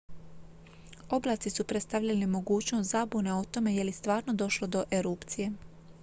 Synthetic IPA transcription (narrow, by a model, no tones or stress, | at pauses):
o̞blaːt̪sisupɾet̪st̪aʋʎalimo̞ɡuːt͡ɕnost̪zabune̞o̞t̪o̞me̞je̞ljist̪ʋaːɾno̞d̪o̞ʃlo̞d̪o̞ʔe̞ɾuːpt̪sije̞